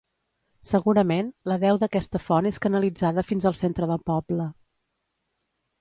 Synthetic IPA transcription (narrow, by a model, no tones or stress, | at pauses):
səɣuɾəmenləðɛwðəkɛst̪əfɔneskənəlid͡zaðəfinzəlˠsent̪ɾəðəlˠpɔblə